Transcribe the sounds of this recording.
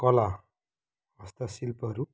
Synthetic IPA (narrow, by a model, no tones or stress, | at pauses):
kʌla | bʌst̪asilpʌʌɾu